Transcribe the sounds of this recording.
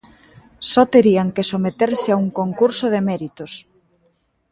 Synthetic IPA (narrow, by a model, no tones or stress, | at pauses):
sɔt̪eɾiaŋkesomet̪eɾsɪauŋkoŋkuɾsʊð̞emɛɾit̪ʊs